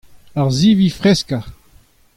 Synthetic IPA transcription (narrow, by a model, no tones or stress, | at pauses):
aʁzivifʁɛska